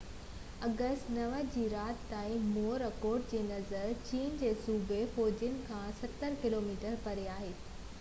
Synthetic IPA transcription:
ɐɡəsʈnɐʋəd͡ʑiːɾaːt̪t̪aːĩmoːɾɐkoːɾɖ̚d͡ʑeːnɐzəɾt͡ɕiːnd͡ʑeːsuːbefɔːd͡ʑʊnɪ̆kʰãsɐt̪ːəɾkɪloːmiːʈəɾpɐɾeaːɦeː

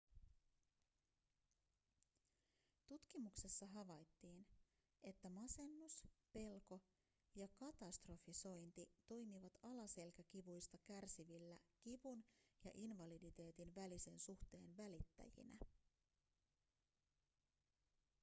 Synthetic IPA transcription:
t̪ut̪kimukse̞sːɑɦɑʋɑjt̪ːiːn | e̞t̪ːæmɑse̞nːuspe̞lko̞ | jɑkɑt̪ɑst̪ro̞fiso̞jnt̪it̪o̞jmiʋɑt̪ɑlɑse̞lkækiʋujst̪ɑkærsiʋilːækiʋunjɑʔinʋɑlidit̪e̞ːt̪inʋælise̞nsuxt̪e̞ːnʋælit̪ːæ̰jḭnæ̰

